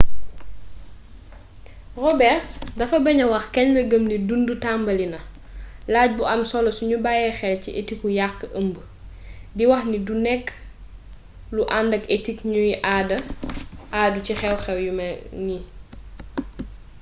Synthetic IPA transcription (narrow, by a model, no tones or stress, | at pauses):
rɔbɛrtdɐfɐbɐɲɐwɐxkɛɲləɡəmdidundutambɐlinɐ | laːc̚buʔɐmsɔlɔsuɲubajɛxɛlciʔetikːujakːəʔəmbə | diwɐxnidunɛkː | luʔandɐketikɲujiʔadɐʔaːducixɛwxɛwjumɐni